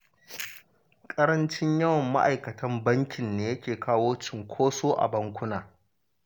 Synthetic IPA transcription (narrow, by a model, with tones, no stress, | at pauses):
kʼɐ˦ɾɐ˦nt͡ʃɪ˦ɲjɐ˦wɐ˨mːa̰˦ʔa̰˨jkɐ˨tʰɐ˦mbɐ˦ŋkʲɪ˨nːeː˦jɐ˦kʲeː˨kaː˦woː˦t͡ʃɪ˨ŋkʷʰoː˦soː˦ʔa̰˨bɐ˦ŋkʷʊ˦naː˨